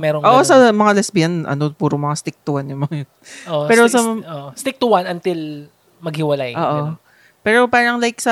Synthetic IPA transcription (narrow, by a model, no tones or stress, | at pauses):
mɛɾoŋʔoːʔosɐmɐŋalɛsbijɐnʔɐ̰no̞puːɾomɐŋast̪ɪk̚t̪uwɐnːɪmojnʔoɛːɾosɐoʔst̪ɪk̚t̪uwanɐnt̪ɪl | mɐɡ̚hɪwɐlajʔoːʔo | pɛːɾo̞paːɾɐŋlajk̚sɐ